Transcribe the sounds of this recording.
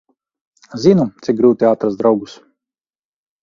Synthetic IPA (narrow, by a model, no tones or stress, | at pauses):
zinut̪sik̚ɡɾuːt̪iat̪ɾasd̪ɾawɡus